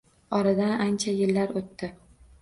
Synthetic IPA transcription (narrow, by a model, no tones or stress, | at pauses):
ɒɾad̪anant͡ʃʰajɪlːaɾot̪ːɪ